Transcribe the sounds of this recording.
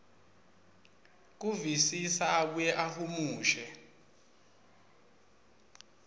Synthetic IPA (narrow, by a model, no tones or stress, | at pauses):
k̬uvisisaːɓujɛʔahumuːʃɛ